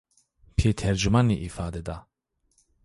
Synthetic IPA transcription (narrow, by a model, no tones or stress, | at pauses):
pʰet̪ʰɛɾd͡ʒumaniʔifaːd̪ɛd̪a